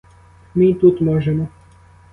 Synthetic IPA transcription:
mit̪ut̪mɔʒɛmɔ

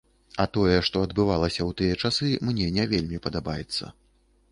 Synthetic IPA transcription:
ɐt̪ɔjɛʂt̪ɔɐd̪bɨvalˠɐsʲɐwt̪ɨjɛt͡ʂasɨmnʲɛnʲɛvʲelʲmʲipɐd̪abajɛt̪sːɐ̰

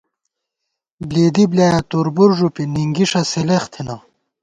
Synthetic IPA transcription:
bleːd̪iblaːjat̪uɾbuɾʐupiniŋɡiʂɐseleχt̪ʰina

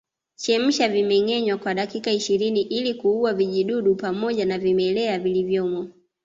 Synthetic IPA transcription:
t͡ʃɛm̩ʃavimɛŋɛɲwakwaɗakikaiʃiɾiniʔilikuuaviʄiɗuɗupamɔʄanavimɛlɛavilivjɔmɔ

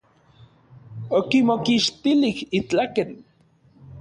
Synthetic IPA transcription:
okimokiʃt̪ilihit͡ɬaken

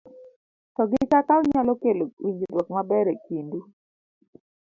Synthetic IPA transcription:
tɔɡɪkatalɲalɔkelowiɲd͡ʒidwɔkmabɛɾekindu

